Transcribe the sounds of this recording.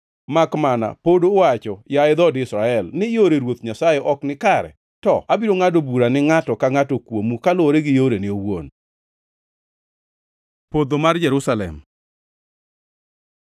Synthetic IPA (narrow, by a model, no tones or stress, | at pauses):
makmana̰podoːwat͡ʃɔjaɪd̪ɔdɪsɾaɛlnɪjoɾeɾwot̪ɲasajɛʔɔknɪkaɾɛ̰ | tɔʔabiɾoŋadobuɾanɪŋatɔkaŋatokwomukalɔɾeɡɪjoɾenɪowo̰n | pod̪omard͡ʒɛɾusalɛ̰m